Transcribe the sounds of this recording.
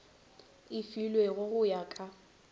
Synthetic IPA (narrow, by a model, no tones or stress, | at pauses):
ɪfilweɣʊɣʊjaːkʼa